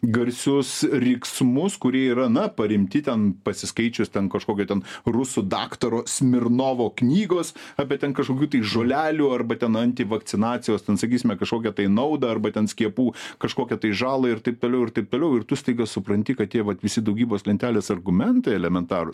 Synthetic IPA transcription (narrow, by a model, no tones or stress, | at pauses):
ɡɐɾʲsʲʊsrʲɪksmʊskʊɾʲiɛiːɾɐnɐpɐɾʲɪmʲt̪ʲɪt̪ʲɛnpɐsʲɪskɐɪt͡ʃʲʊsʲt̪ʲɛnkɐʃkoːkʲoːt̪ʲɛnrʊsʊd̪ɑːkt̪ɐɾoːsʲmʲɪrnoːʋoːknʲiːɡoːsɑːpʲeɛtʲɛnkɐʃkoːkʲuːt̪̬ɐɪʒoːlʲæːlʲuːɐrbɐt̪ʲɛnɐnʲt̪ʲɪʋɐk̪t͡s̪ʲɪnɑːt͡s̪ʲɪjoːst̪ʲɛnsɐkʲiːsʲɪmʲɛkɐʃkoːkʲɛt̪ɐɪnɐʊd̪ɐɐrbɐt̪ʲɛnsʲkʲiɛpuːkɐʃkoːkʲɛt̪ɐɪʒɑːlˠɐɪrt̪ɐɪp̚t̪oːlʲɛʊɪɾt̪ɐɪp̚t̪oːlʲɛʊɪrt̪ʊsʲt̪ɐɪɡɐssʊpɾɐnʲt̪ʲɪkɐtt̪ʲiɛʋɐt̪ʋʲɪsʲɪd̪ɐʊɡʲiːboːslʲɛnʲt̪ʲæːlʲeːsɐrɡʊmʲɛnt̪ɐɪɛlʲɛmʲɛnt̪ɑːɾʊs